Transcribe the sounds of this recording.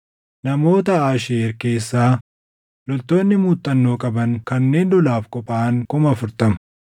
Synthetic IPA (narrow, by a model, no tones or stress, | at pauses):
nɐmo̞ːt̪ɐaːʃeeːɾke̞ːsːaː | lɔlt̪o̞ːnːɪmuːt̪ʼːɐnːo̞ːkʼɐbɐŋkɐnːe̞ːnd̪ɔlaːfkʼɔpʼaːŋkʊmɐɐfʊɾt̪ɐmʊ